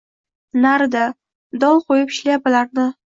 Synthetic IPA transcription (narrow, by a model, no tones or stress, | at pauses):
naɾd̪a | d̪ɒlˠqʰojɪpɪ̥ʃlajbɪlaɾnɪ